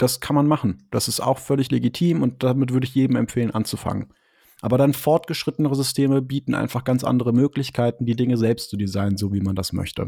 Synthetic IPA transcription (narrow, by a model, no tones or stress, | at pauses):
d̥askʰanmanmaχn̩d̥asɪsta̰ʊxfœlɪçleɡitʰiːmʊnt̚d̥amɪtvʏɐɾəɪçjeːdm̩ɛ̰mpfeːlənʔant͡sufa̰ŋə̰n | ʔaːbɐɾanfɔɐtɡ̥əʃʁ̥ɪtənəʁəzʏstʰeːməbiːtn̩ʔa̰ɪnfaχɡ̥ant͡sʔa̰ndəʁəmøːklɪçkʰaɪtn̩diːdɪŋəzɛlpstt͡sudizaɪnənzoːviːmandasmœ̰çtʰə̰